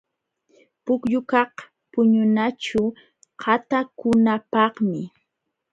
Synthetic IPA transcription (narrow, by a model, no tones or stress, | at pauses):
pʊkʎʊkɑq | pʊɲʊnat͡ʃʊ | hʰat̪akʊnapɑhmɪ